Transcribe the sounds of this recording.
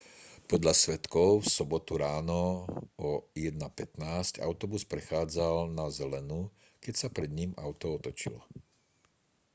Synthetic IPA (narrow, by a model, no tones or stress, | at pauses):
pɔd̪ʎasʋɛt̪kɔʊfsɔbɔt̪uɾaːnɔɔjɛd̪napɛt̪naːsca̰ʊt̪ɔbuspɾɛxaːd͡zalnazɛlɛnu | kɛcsapɾɛd̪ɲima̰ʊt̪ɔɔt̪ɔt͡ʃḭlɔ